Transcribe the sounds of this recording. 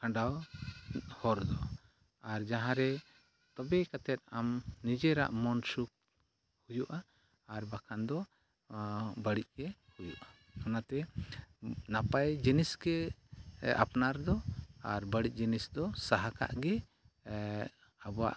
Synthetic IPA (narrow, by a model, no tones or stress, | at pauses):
kʰãɳɖaw | hɔɾd̪ɔ | aɾd͡ʒaɦãɾɛ | t̪ɔbɛkat̪ɛt̪̚amnid͡ʒɛɾa̰ʔmɔnsuk̚ | hujuʔaː | ɾbakʰand̪ɔ | bəɽic̚kɛhujuʔa | anat̪ɛ | napajd͡ʒinisɡɛ | a̰pnaɾd̪ɔaɾbəɽic̚ˀd͡ʒinisd̪ɔsaɦaka̰ʔɡɛ | abɔwa̰ʔ